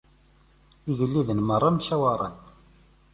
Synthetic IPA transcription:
iʝəlːiðənmərˤːamçæwaɾˤə̰n

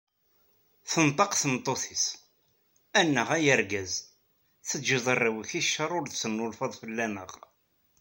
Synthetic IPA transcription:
θənt̪ˤɑqθənt̪ˤːoθis | ænːəʁæjəɾɡæz | θəd͡ʒiðˤərˤːiwəçiʃːɑɾˤʊɾðsənːʊlfɑðˤfəlːænə̰ʁ

